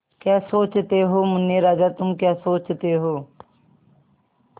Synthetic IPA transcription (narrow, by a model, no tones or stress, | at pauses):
kjaːsoːt͡ʃt̪eɦoːmʊnjeɾaːd͡ʒaːt̪ʊmkjaːsoːt͡ʃt̪eɦoː